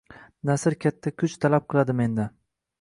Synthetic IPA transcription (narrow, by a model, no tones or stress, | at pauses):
nasɪɾkʲʰat̪ʰːakʲʰʊt͡ʃt̪ʰalap̚qʰɨlˠad̪ɪme̞nd̪a